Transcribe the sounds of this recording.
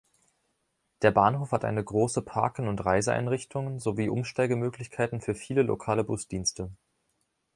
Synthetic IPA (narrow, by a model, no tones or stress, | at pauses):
d̥eːɐbaːnɦoːfhatʔa̰ɪnəɡʁoːsəpʰa̰ɐkən̩ʊntʁaɪzəʔa̰ɪnʁɪçtʰʊŋnzoviːʔʊmʃtaɪɡəmøːklɪçkʰaɪtn̩fyːɐfiːləlo̰kʰaːləbʊsd̥iːnstʰə